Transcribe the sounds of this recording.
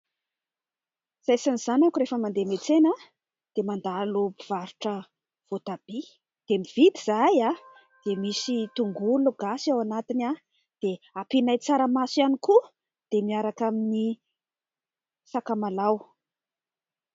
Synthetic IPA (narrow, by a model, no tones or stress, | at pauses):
z̥ajsaniz̥anakuɾefəmand̪emet͡sena | d̪̥emand̪alopiv̥aɾuʈ͡ʂə | v̥ot̪ab̥i | d̪̥emivit̪iz̥aja | d̪̥emisit̪uŋɡuluɡ̥asawanat̪ina | d̪̥eapinajt͡saɾəmasaniku | d̪̥emiaɾakamini | sakamalaw